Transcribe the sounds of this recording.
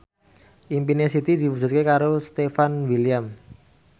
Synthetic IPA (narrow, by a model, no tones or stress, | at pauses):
ʔimpinesit̪id̪i̤pu̥d͡ʒṳt̪̚kekaɾost̪efanwiliam